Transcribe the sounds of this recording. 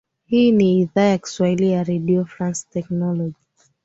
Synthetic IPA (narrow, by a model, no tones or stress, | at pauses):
hiniiðaɛksualiaɹediɔfɹãnstɛknɔlɔd͡ʒi